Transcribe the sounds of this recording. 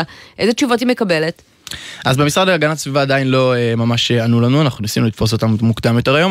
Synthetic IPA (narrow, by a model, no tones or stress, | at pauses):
ʔezet͡ʃuvothimekabelet | ʔazbemisʁadleaɡanasvivaːdainlo̞emamaʃeanulanuanaχnunisinulit̪fo̞s̬o̞t̪ammukd̪amjo̞te̞ʁajo̞m